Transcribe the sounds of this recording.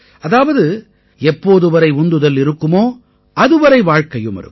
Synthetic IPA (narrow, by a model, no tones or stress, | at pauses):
ʔɐðaːʋɐðɯ | ɛpːoːðɯʋɐɾɐɪʊnd̪ɯðɐlɪɾɯkːɯmoː | ɐðɯʋɐɾɐɪʋaːɻkɐjɯmɐ̰ɾɯ̰